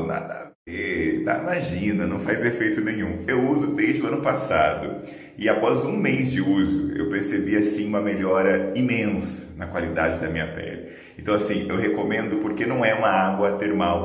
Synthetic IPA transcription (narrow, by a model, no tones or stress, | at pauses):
na̰d̪ɐved̪a̰imaʒĩnɐnɐ̃w̃fajzefejt̪ʊnẽɲ̃ũewuzʊd̪ejzd͡ʒɪʊɐ̃nʊpasad̪ʊ̰ | ɪapɔzũmejzd͡ʒɪuzʊ̰ḛwpeɾsebiasĩũmɐmeʎɔɾɐimẽsɐ̥nɐkwalid̪a̰d͡ʒɪd̪ɐmĩɲɐpɛ̰lɪ | ẽnt̪ɐ̃w̃asĩewɦekomẽnd̪ʊpoɾkenɐ̃w̃ɛũmɐaɡwɐt̪eɾmaw